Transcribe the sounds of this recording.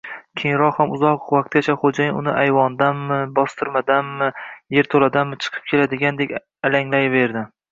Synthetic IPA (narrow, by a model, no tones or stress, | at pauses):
kʲʰeŋɾɒqhamʊzɒqvaq̚t̪̚ɡʲat͡ʃʰaχod͡ʒajʊnɪʔajvɒnd̪anːɪbɒst̪ʰɨɾmad̪anːɪje̞ɾt̪ʰolad̪ammɪt͡ʃʰɨ̥qʰɨ̥p̚kʲʰe̞lad̪ɪɡʲand̪e̞kʲ | alaŋlajve̞ɾd̪ɪ